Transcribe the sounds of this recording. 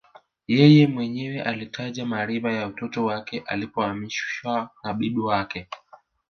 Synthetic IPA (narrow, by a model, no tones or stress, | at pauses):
jɛjɛmwɛɲɛwɛʔalitʰaʄamaɾivajautɔtɔwakɛʔa̰lipɔamiʃʃwanaɓiɗuwakɛ